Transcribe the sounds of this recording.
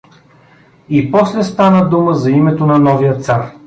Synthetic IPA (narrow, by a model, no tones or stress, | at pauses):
ipɔslɛst̪anəd̪uməzɐimɛt̪onɐnɔvijət̪saɾ